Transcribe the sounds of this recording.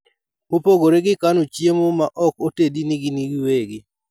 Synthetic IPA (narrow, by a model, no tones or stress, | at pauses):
mopoɡoɾeɡɪkanot͡ʃjemomaʔɔkotediniɡiniɡiweɡɪ